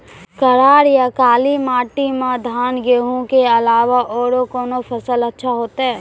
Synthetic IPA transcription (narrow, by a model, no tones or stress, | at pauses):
kəɾaːɾjakaːlimaːʈimãd̪ʱaːnɡeːɦũkeɐlaːʋaʔɔːɾokɔːnopʰəsələtːʃʰaɦoːt̪aɦɛː